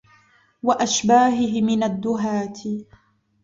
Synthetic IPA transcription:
waʔaʃbaːɦɪɦɪmɪnad̪ːʊɦaːt̪ʰɪ

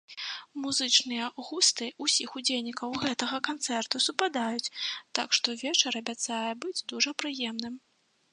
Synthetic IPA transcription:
muzɨt͡ʂnɨjɐɣust̪ɨusʲixud͡zʲelʲnʲikɐwɣɛt̪ɐɣɐkant̪sɛrt̪usupad̪ajut͡sʲt̪a̰kʂt̪ɔvʲɛt͡ʂɐɾɐbʲat̪sajɛbɨd͡zʲd̪uʐɐpɾɨjɛmnɨm

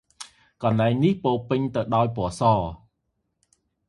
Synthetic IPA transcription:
kɑnlaɛŋnihpoːpɨɲt̪ɨwɗaɔjpŏəsɑː

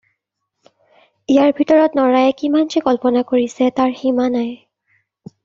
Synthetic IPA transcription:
ijaɹbʱitɔɹɔtnɔɹajɛkimand͡ʒikɔlpɔnakoɹisɛtaɹximanaj

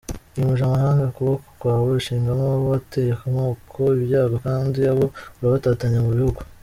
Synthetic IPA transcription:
ijumuʒamaɦaːŋɡakuβako̥kwaːβoiʃiːŋɡamoβoβatejekumŋoːkʰo̞iβjaːɡokaːndiaβo̞uɾaβataːtaɲemuβihuɡu

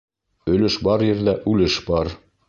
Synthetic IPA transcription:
ɵ̆lɘʃbɑɾjɘ̆ɾðæʔʉlɘʃbɑɾ

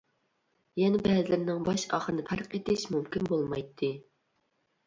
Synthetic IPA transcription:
jɛnɛbɛzɪlɪɾnɪŋbɑʃɑ̰χəɾɨnɨpʰæɾqet̪ʰɪʃmumkʲinbolˠmɑjt̪ʰːɨ

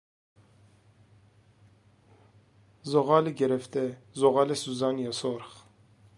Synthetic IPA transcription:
zoʁɑːleɡɛɾɛft̪ɛzoʁɑːlɛsuzɑːnjɑsoɾχ

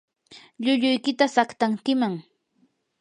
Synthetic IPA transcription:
ʎʊʎʊjkɪt̪asakt̪aŋkɪmaŋ

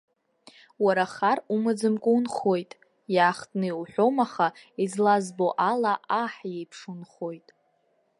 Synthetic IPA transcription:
waɾaχarumɨd͡zɨmkʷʼunχo̞jtʼ | jaːχtʼnɨwħʷᶣo̞maχaizlazbo̞ʔalaʔaħjejpʰʂunχo̞jtʼ

